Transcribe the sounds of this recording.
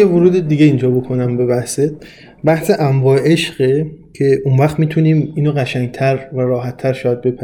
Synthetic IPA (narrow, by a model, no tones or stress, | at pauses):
jevoɾuːd̪ed̪iːɡeind͡ʒɒːbo̞kʰo̞næmbe̞βæhse | bæhseʔæmvɒːeeʃɢecʰe̞ʔunvæχt̪miːt̪ʰuniːmiːnoɣæʃæŋɡ̚t̪ʰæɾvæɾɒːɦæt̪ʰːæɾʃɒːjæd̪̚be̞pʰæi